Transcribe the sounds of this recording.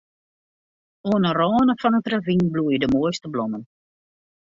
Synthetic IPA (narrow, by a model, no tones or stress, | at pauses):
oənərɔːnəfɔnətravinblujədəmoːjstəblɔmən